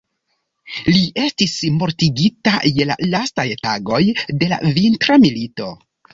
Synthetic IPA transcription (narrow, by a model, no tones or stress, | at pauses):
liʔe̞stismo̞ɾtiɡitaje̞la̰lastajtaɡo̞jde̞la̰vintɾamilito̞